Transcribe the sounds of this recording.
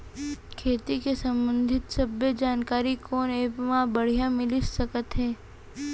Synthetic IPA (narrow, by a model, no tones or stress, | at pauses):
kʰeːt̪ikesə̃mbə̃nd̪ʱɪt̪sɐbːəd͡ʒaːnkaːɾikoːneːpmãbəɽ̤ijãmɪlɪssəkət̪ɦɛː